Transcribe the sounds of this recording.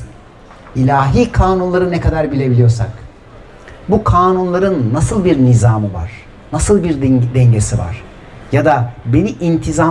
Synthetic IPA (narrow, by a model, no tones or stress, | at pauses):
ilʲaːɦiːkʰaːnunlˠaɾɯnɛkad̪aɾbilʲe̞bilʲijo̞ɾsak | bukʰaːnunlˠaɾɯnːasɯlˠbiɾnizaːmɯva̰ɾ̥ | nasɯlˠbiɾd̪ɛɲɟesiva̰ɾ̥ | jad̪abe̞niʔint̪ʰiza